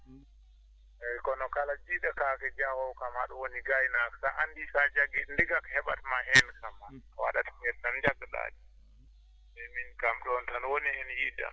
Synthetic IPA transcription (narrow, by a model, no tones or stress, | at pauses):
ɛjkɔnɔkalad͡ʒiɗakakɛd͡ʒahɔwkamhaɗɔwoniɡajnaksaʔandisad͡ʒaɡɛndiɡakhɛɓatmaɦɛnkamaɔwa̰ɗatamɛttand͡ʒaɡːaɗa̰ɗi | bɛminkamɗɔntanwonihɛnjida̰m